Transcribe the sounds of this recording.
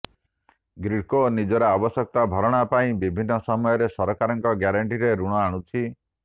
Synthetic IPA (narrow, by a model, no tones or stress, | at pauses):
ɡɾikonid͡ʒɔɾɔabɔsɔk̚t̪abʱɔɾɔɽ̃apaĩbibʱinːɔsɔmɔjɔɾesɔɾɔkaɾɔŋkɔɡjaɾaɳʈiɾeɾuɽ̃ɔaɽ̃ut͡ʃʰi